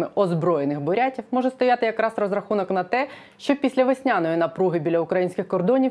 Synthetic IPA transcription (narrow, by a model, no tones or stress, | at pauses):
ɪʔɔzbɾɔjenɪxbʊɾʲatʲiwmɔʒɛst̪ɔjat̪ɪjɐkɾɑsrɔzɾɐxunɔknɐt̪ɛ | ʃt͡ʃɔpʲisʲlʲɐʋesʲnʲanɔjinɐpɾuɦɪbʲilʲːɐʊkɾɐjinʲsʲkʲɪxkɔrd̪ɔnʲi